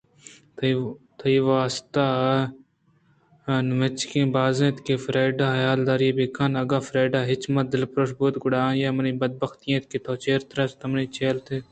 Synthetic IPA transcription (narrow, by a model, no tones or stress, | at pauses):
t̪ʰɐiʋaːst̪aː | nʋet͡ʃkẽːbaːzẽːt̪kefɾeːɪɖaːɦjaːld̪aːɾiebikɐnɐɡaːfɾeːɖaːɦɪt͡ʃmɐt̪̚d̪ɪlpɾoːsbut̪ɡʊɽaːjaːmɐnĩːbɐd̪̚bɐxt̪ijẽt̪ket̪ʰoːt͡ʃeːɾt̪ɾɐst̪ɐmnĩːt͡ʃʰeːlt̪ʰeː